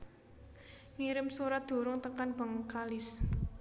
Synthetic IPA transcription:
ŋiɾɪmsuɾad̪̥o̤ɾʊŋt̪əkanb̥a̤ŋkalɪs

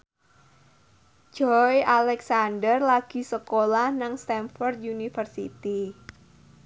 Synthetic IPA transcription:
d͡ʒ̥ɔjalɛksandərlaɡ̥i̤səkolahnaŋst̪ɛnfɔrd̪̚junifərsḭt̪i

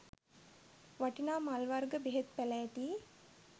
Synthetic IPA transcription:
ʋaʈinaːmalʋarɡəbeɦet̪̚pælæːʈiː

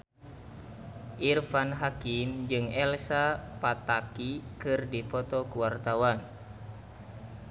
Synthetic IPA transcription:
ʔirfanɦakimd͡ʒɨŋɛlsapat̪akikɨrdipɔt̪ɔkuwart̪awan

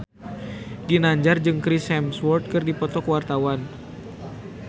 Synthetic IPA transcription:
dinaɲd͡ʒard͡ʒɨŋkɾishɛmswɔrt̪̚kɨrdipɔt̪ɔkwart̪awan

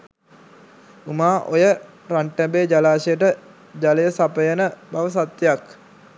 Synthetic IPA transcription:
umaːʔojə | ɾaɳʈəbeːd͡ʒalaːʃejəʈə | d͡ʒaləjəsapəjənəbaʋəsat̪jejak

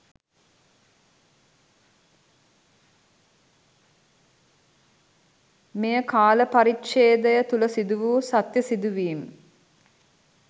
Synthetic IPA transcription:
mejəkaːləpaɾikʃeːd̪əjət̪uləsid̪uʋuːsat̪jəsid̪uʋiːm

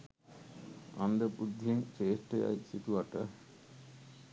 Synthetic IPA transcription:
and̪əpud̪ʱːieŋt͡ʃeːsʈea̰isit̪uʋaʈə

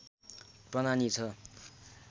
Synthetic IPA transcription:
prʌnanit͡sʰʌ

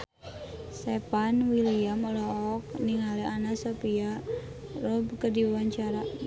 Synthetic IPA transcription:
sepanwiliamlɔɔk̚niŋalɛanasapia | rɔbkədiwawaɲt͡ʃaɾa

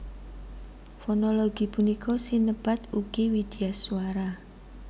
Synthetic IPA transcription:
fɔnɔloɡ̥i̤punikɔsinəb̥a̤t̪uɡ̥iwid̪̥iasuaɾa

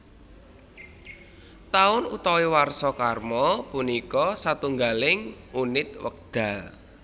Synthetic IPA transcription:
t̪aʊnut̪ɔwiwarsɔkarmɔpunikɔsat̪uŋɡalɪŋunɪt̪wə̰k̚d̪̥a̤l

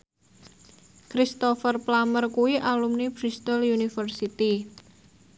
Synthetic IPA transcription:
kɾist̪ɔfərplamərkuiʔalumnib̥ɾist̪əljunifərsit̪i

